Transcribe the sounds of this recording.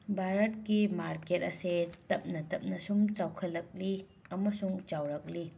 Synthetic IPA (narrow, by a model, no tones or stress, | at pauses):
bʱaɾɐt̚kimaɾket̚ɐsetɐp̚nɐtɐp̚nɐsumt͡ʃawkʰɐlːɐk̚li | ɐmɐsuŋt͡ʃawɾɐk̚li